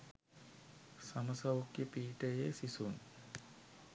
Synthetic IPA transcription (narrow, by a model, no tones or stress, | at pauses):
saməsaʋukjəpiːʈəjesisun